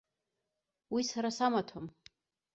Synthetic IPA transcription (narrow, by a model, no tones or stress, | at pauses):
wisaɾasamatʰom